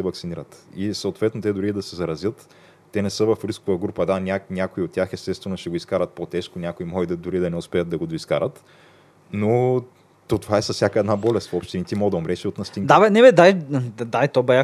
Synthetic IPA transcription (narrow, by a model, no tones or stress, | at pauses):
ɛvɐksiniɾət̪isɐʊt̪vɛt̪not̪ɛd̪ʊɾid̪ɐsɛzɐɾɐzjət̪ː | ɛnɛsɤvɐfɾiskovɐɡɾupəd̪anʲanʲakoiot̪tːʲjaxɛst̪ɛt̪st̪vɛnʊʃɛɡoiskaɾɐt̪̚pot̪ɛʃkonʲakoimɔid̪ɐd̪ʊɾid̪ɐnɛʊspɛət̪d̪ɐɡod̪oiskaɾət̪ | no | t̪ɔt̪ovaɛsɐsʲjakəɛd̪nabɔlʲɛst̪fopʃt̪init̪imɔd̪ɐʊmɾɛʃiot̪nɐst̪ind̪abɛnɛbɛd̪aj̪d̪ajt̪ɔbɛa